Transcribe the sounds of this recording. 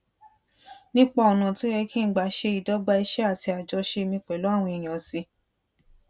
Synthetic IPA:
nĩ˦k͡pɔ˧ɔ˨nã˨to˦jɛ˧kĩ˦˨ɡ͡ba˨ʃe˧i˨dɔ˨˦ɡ͡ba˧i˧ʃɛ˦a˦˨ti˧a˨d͡ʒɔ˧˦ʃe˧mĩ˧k͡pɛ˨lo˨˦a˦˨w̃ɔ̃˧i˨j̃ɔ̃˨si˧˦

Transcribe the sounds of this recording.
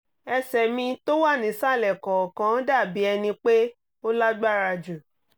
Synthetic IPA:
ɛ˧sɛ˨mĩ˧to˦wa˦˨nĩ˨˦sa˦˨lɛ˨kɔ̃˨kã˦da˦˨bi˨˦ɛ˧nĩ˧k͡pe˦ | o˦la˦ɡ͡ba˦˨ɾa˧d͡ʒu˨

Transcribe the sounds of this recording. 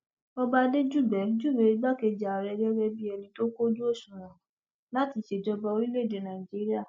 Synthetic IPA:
ɔ˧ba˧de˦d͡ʒu˦˨bɛ˨˦d͡ʒu˦˨bɛ˨i˦ɡ͡ba˦ke˧d͡ʒa˨ɾɛ˧d͡ʒɛ˦ɾɛ˧bi˦ɛ˧lĩ˧to˦ko˦d͡ʒu˦o˦˨ʃũ˨ɾã˨ | la˨˦ti˨˦ʃe˨d͡ʒɔ˧bɔ˧o˧ɾi˦le˦˨de˨˦nã˨i˨d͡ʒi˦ɾi˦a˦˨

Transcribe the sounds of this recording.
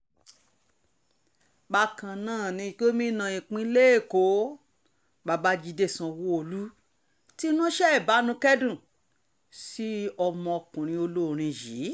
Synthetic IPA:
ba˧˨kã˨nãː˦˨nĩ˧i˧˨ke˦mĩ˦nã˧˨ĩ˨k͡pĩ˧˦le˦e˦˨ko˨˦ | ba˨˧ba˧d͡ʒi˧de˦˨sã˧wo˦o˧˨lu˦ | ti˦nũ˦ʃɛ˦ɛ˦˨ba˨˦nũ˧˦kɛ˦dũ˦˨ | si˦ɔ˧mɔ̃˧ɔ˧kũ˨ɾ̃ĩ˧o˧lo˦˨ɾ̃ĩ˧ji˨˦

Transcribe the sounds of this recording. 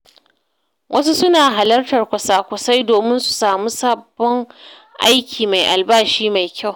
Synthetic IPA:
wʔɐ˦su˦sʊ˦naː˨ɦa˨lɐ˦rtɐ˨rkʷʊ˨saː˦kʷʊ˨sa˦jdoː˨mɪ˦nsu̥˨saː˨mu˦sa˦bːɔ˦ŋ | ʔa˦jkʲʰiː˨ma˨jʔa˨lbaː˦˨ʃiː˦ma˨jkʲa˦˨w

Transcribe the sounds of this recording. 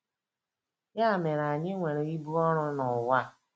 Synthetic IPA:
ja˦˨me˨ɾa˨ɲɪ˦ŋʷe˨ɾe˨i˦bu˦ɔ˦ɾʊ˦nʊ˨wa˦

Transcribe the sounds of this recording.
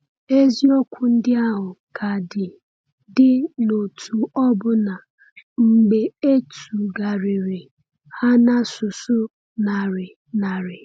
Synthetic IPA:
e˦zi˦o˦kʷʊ˦n̩˦dɪ˦a˦ɦʊ˨kʰa˨dɪ˨ | dɪ˦no˨tʰu˨ɔ˦bʊ˦na˨ | ŋ͡m̩˨ɡ͡be˨e˦tu˨ɡa˨ɾɪ˨ɾɪ˨ | ha˦na˦sʊ˨sʊ˦ | na˨ɾɪ˨ | na˨ɾɪ˨

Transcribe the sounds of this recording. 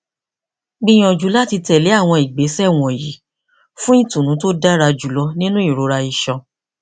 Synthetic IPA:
ɡ͡bĩ˧j̃ɔ̃˨d͡ʒu˨˦la˦ti˧tɛ˨le˨˦a˦˨w̃ɔ̃˧i˨ɡ͡be˨˦sɛ˦˨w̃ɔ̃˨ji˨˦ | fũ˦i˦˨tũ˨nũ˨˦to˦da˦ɾa˧d͡ʒu˨lɔ˧˦nĩ˦nũ˦i˦˨ɾo˧˦ɾa˧i˨ʃɔ̃˨˧

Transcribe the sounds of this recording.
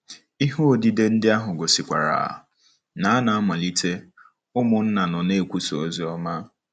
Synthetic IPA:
i˦ɦo˦o˨di˦de˦n̩˦dɪ˦a˦ɦʊ˨ɡo˨si˨kʷa̰˨ɾa̰˨ | na˨˦a˦na˨a˦ma˨li˦tʰe˦ | ʊ˦mʊ˨n̩˦na˨nʊ˨ne˦˨kʷu˦so˨o˦zi˦ɔ˦ma˦

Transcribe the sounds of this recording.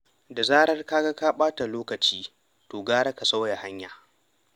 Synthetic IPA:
da˨zaː˦ɽɐ˦rka˦ɡa˦ka˦ɓaː˦ta˨loː˦kɐ˨t͡ʃiː˦ | toː˨ɡaː˦ɽa˦ka˨sa˦wja˨ha˦ɲjaː˨

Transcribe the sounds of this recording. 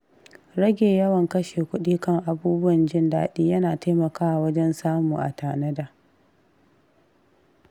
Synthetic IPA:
ɽɐ˦ɡʲeː˨jɐ˦wɐ˨ŋkɐ˦ʃeː˨kʷʊ˦ɗiː˦kɐ˦˨ŋʔa˨buː˦bʊ˦wɐ˨nd͡ʒɪ˦nda̰ː˦ɗiː˦jɐ˦naː˨ta˦mɐ˨kaː˦wa˨wɐ˦d͡ʒɛ˦nsaː˦muː˨ʔa̰˨taː˨nɐ˦daː˨

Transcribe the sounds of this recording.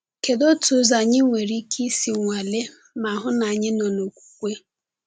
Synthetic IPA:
ke˨do˦tu˨˦za˨ɲɪ˦ŋʷe˨ɾi˦ki˦si˨ŋʷa˨le˦ | ma˨ɦʊ˦na˨ɲɪ˦nɔ˨no˨kʷu̥˨kʷe˦

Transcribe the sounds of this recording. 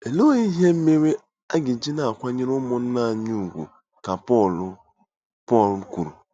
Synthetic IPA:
e˨lo˦i˦ɦe˦m̩˦me˦ɾe˦ | a˦ɡɪ˨d͡ʒi˦na˨a˨kʷa˦ɲe˦ɾʊ˦mɔ˨n̩˦na˦˨ɲu˦˨ɡʷo̰˨ | ka˨pɔ˦˨lʊ˦ | pɔ˦˨l̩˨˦kʷu˨ɾṵ˨

